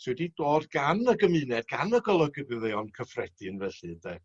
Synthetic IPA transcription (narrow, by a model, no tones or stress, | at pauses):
sʰwɛdid̥oːdɡanəɡəmɨːnɛd̚ɡ̥anəɡɔlˠəɡəbɪðejɔnkʰəfrɛd̥ɨənvɛɬɨdɛ